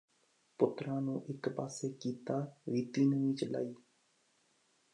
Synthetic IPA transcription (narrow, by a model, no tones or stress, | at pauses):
pʊt̪ɾãːnũːʔɪkbaːseːkiːt̪aːʋiːt̪iːnəʋĩːt͡ʃəla̰ːiː